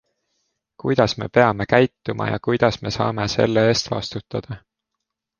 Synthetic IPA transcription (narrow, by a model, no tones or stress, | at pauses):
kujd̪̥ɑsme̞̰pe̞ɑme̞kæjt̪ːumʔɑ̰jɑ̰kujd̪̥ɑsme̞sɑ̰ːme̞se̞̰lːeeːst̪vɑ̰st̪ut̪ːˑɑd̪̥ɑ